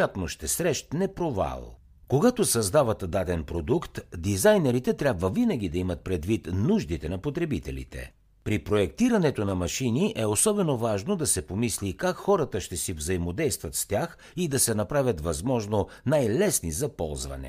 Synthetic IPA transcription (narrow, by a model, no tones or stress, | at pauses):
at̪noʃt̪ɛsɾɛʃt̪nɛpɾova̰lˠ | koɡat̪osɐzd̪avɐt̪d̪ad̪ɛnpɾod̪ukt̪d̪izajnɛɾit̪ɛt̪ɾʲabvəvinɐɡ̟ʲid̪ɐimɐt̪̚pɾɛd̪vit̪nuʒd̪it̪ɛnɐpot̪ɾɛbit̪ɛlʲḭt̪ɛ̰ | pɾipɾoɛk̚t̪iɾɐnɛt̪onɐmɐʃiniʔɛosɔbɛnovaʒnod̪ɐsɛpomislikakxɔɾət̪əʃt̪ɛsivzɐimod̪ɛjst̪vɐt̪st̪ʲjax | id̪ɐsɛnɐpɾavʲɐt̪vɐzmɔʒnonajlɛsnizɐpɔ̰lˠzvɐ̰nɛ̰